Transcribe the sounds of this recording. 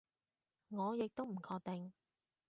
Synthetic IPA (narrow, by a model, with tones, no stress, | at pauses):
ŋɔː˨˧jɪ˨k̚t̪o˥wm̩˨˩kʰɔː˧k̚t̪ɪ˨ŋ